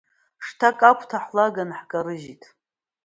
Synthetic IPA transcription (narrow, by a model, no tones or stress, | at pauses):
ʂtʰakʼakʷʰtʰaħlaɡanħkʼaɾɨʒitʰʼ